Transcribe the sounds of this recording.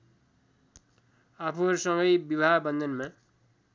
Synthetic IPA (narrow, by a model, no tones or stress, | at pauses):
apʰuʌɾusʌŋɡʌjbibʱabʌnd̪ʱʌnma